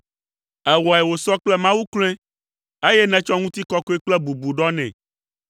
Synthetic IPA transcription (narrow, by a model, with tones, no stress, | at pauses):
ɛ˨wɔ˨ɛ˨wo˨sɔ˦k͡plɛ˦mã˦wu˦kl̃ɛ̃˦ | e˦jɛ˦nɛ̃˦t͡ʃɔ˦ŋũ˦t̪i˦kɔ˦kɔ˦ɛ˦k͡plɛ˦bu˨bu˨ɖɔ˦nɛ̰̃˨